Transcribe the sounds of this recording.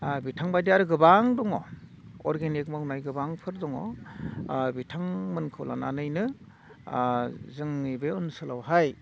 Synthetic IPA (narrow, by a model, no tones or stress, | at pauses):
bitʰaŋbajdiaɾɯɡɯbaŋdɔŋɔ̰ | ɔɾɡenik̚mawnajɡɯbaŋpʰɯɾdɔŋɔ̰ | bitʰaŋmɯnkʰɯwla̰nanɯjnɯ | zɯŋnibeɯnsɯlawɦaj